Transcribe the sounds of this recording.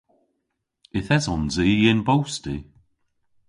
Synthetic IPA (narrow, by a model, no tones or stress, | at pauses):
ɪθɛzɔnzijenbowsti